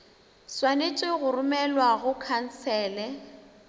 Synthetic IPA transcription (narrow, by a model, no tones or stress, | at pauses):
swanet͡ʃʼweɣʊrʊmɛlwaɣʊkʰan̩sɛːlɛ